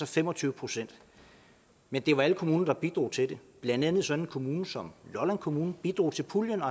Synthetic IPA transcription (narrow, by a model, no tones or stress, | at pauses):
ɒfem̰ɒ̽t͡sʰyːʊəpʰʁo̝sen̰d̥ | mend̥e̝ʋɑ̈æləkʰo̝muːnɐd̥ɑ̈b̥id̥ʁo̰ːt͡sʰe̝d̥e̝b̥lænd̥ænð̞̩ˠsɒ̽n̥n̩kʰo̝muːnəsɒ̽mlɒlænkʰo̝muːn̩b̥id̥ʁo̝̰ːt͡sʰe̝lpʰuljənɒ